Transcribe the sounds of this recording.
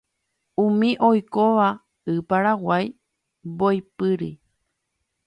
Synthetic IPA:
ũmĩʔojkoʋa | ɨpaɾawaj | bojpɨɾɨ

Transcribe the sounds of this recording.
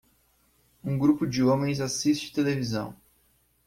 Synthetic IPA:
ũɡɾupʊd͡ʒɪõmẽj̃zasist͡ʃɪt̪elevizɐ̰̃w̃

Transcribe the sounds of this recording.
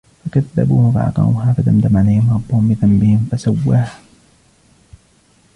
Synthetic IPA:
fakaðːa̰buːhfa̰ʔɑ̰qɑ̰ṵːɦaːfad̪amd̪amʕalajhɪmɾˤɑbːʊmɪθanbɪhɪmfasawːaːh

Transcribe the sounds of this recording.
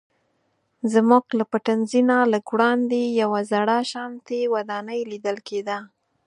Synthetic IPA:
zmuɡlapaʈanzinaləɡwɽɑnd̪ejawazaɽaʃɑmt̪ewad̪ɑnəjlid̪əlked̪a

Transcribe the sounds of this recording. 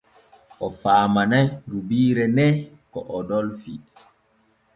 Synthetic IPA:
ʔɔfaːmanajɾubiːɾɛnɛ | kɔʔɔdɔlfi

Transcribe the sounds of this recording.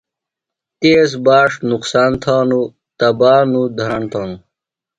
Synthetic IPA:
t̪eːs̬baːʂnuqsaːnt̪ʰaːnu | t̪ɐbaːnud̪ʱɐɾɐɳt̪ʰaːnu

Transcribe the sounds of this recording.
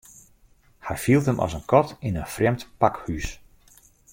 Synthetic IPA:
hɛjfilˠtəmʔɔ̰sənkʰɔtɪnənfrɛmtpakhys

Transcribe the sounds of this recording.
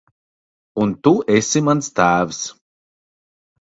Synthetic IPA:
unt̪uesʲimanst̪æːvs

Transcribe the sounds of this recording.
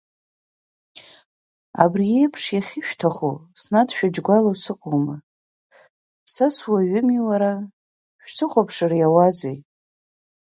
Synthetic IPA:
a̰brije̞jpʰʂjaχʲɪʃᶣtʰaχosnadʃᶣad͡ʒɡʷalosɨkʷʼoma | saswaɥʏmiwaɾa | ʃᶣsɨχʷapʰʂarajawad͡zej

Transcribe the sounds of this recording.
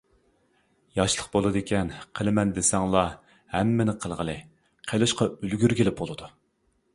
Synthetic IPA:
jɑʃlˠəqbolˠɨd̪ɪkʲɛnqʰəlˠɪmɛnd̪esɛŋlˠɑ | hɛmːɪnɪqʰəlˠʁəlˠɨ | qʰelˠɨʃqɑylɡʲyɾɡʲelɪp̚bolˠɨd̪u

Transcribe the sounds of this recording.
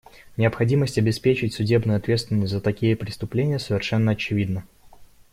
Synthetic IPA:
nʲɪəpxɐdʲiməsʲtʲɐbʲɪspʲet͡ɕɪtʲsʊdʲe̞bnɨjʊɐt̪vʲet̪st̪vʲɪnəsʲzət̪ɐkʲijəpɾʲɪst̪ʊplʲenʲɪjəsəvʲɪrʂɛnːəɐt͡ɕɪvʲid̪nə

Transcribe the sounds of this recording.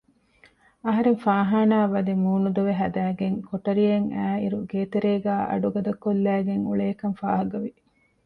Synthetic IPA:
ɐɦɐɾeŋfaːɦaːnaːʋɐd̪emuːnud̪uʋeɦɐd̪æːɡeŋkoʈɐɾieŋæːḭɾuɡeːt̪eɾeːɡæːʔɐ̰ɖuɡɐd̪ɐkːolːæːɡeŋṵɭeːkɐmfa̰ːɦɐɡɐʋi

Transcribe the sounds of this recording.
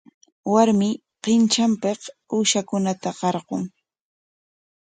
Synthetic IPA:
waɾmɪ | qɪnt͡ʃampequːʃakʊnat̪aqɑɾɢoŋ

